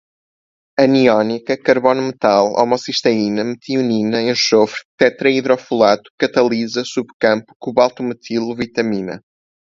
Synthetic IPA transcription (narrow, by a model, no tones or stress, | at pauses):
ɐniɔnikɐkɐɾβɔnumɨt̪alˠɔ̰mɔsiʃt̪ɐinɐmɨt̪iuninɐẽʃofɾt̪ɛt̪ɾɐiðɾɔfulˠat̪u̥kɐt̪ɐlˠizɐsuβkɐ̃mpu̥kuβalˠt̪umɨt̪ʰilˠuvit̪ɐminɐ̰